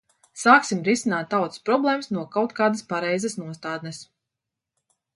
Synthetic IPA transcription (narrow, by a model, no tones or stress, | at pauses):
saːksimɾisinaːt̪̚ːawt̪spɾɔblˠɛːmsnuɔkawt̪kaːd̪əspaɾɛjzɐsnuɔst̪aːd̪nɛs